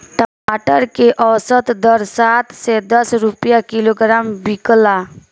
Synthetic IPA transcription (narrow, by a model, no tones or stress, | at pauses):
ʈəmaʈəɾkeʔəwsət̪d̪əɾsat̪sed̪əsɾupjakiloɡɾambikla